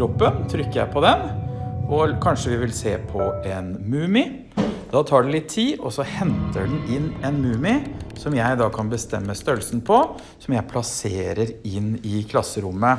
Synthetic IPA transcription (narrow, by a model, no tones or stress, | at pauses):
ɾɔpːənt̪ʰɾʏkːəjæ̰ɪpʰɔd̪ɛnʔɔkʰɑnʂəʋɪʋɪlseːpʰɔɛnmʉːmɪ | d̪̥ɑːt̪ʰɑːɖɛlɪt̪ʰːiːɔsɔhɛnt̪əɖɛn̩ɪnːɛnmʉːmɪsɔmjæɪd̪ɑkʰɑnbəst̪ɛmːəst̪œlsn̩pʰɔ | sɔmjæɪpʰlɑseːɾəɾɪnɪkʰlɑsːəɾʊmːə